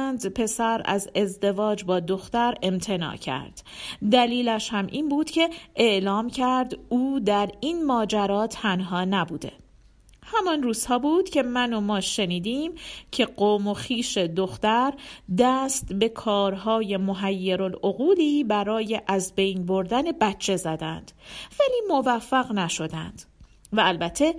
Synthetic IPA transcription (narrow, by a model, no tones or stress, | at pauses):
nd̪pʰe̞sæɾæ̰ze̞zd̪e̞vɒːd͡ʒbɒːd̪o̞xt̪æɾe̞mt̪ʰe̞nɒ̰ːcʰæ̰ɾd̪̥d̪æliːlæʃhæmʔiːnbuːd̪̥cʰe̞ʔeʔlɒːmcʰæɾd̪uːd̪æɾiːnmɒːd͡ʒæɾɒːt̪ʰænɦɒːnæbuːd̪e̞̰ | hæmɒnruːz̥hɒːbuːd̪̥cʰe̞mæno̞mɒːʃeniːd̪iːmcʰe̞ɢoːmo̞xiːʃe̞d̪o̞xt̪æɾd̪æːst̪be̞kʰɒːɾɦɒːje̞mo̞ɦæjːeɾo̞loɣuːliːbæɾɒːje̞ʔæzbe̞jnbo̞ɾd̪æne̞bætt͡ʃʰːe̞zæd̪ænd̪̥væliːmovæfːæɣnæʃo̞d̪æ̰nd̪̥ | væːlbæt̪ʰːe̞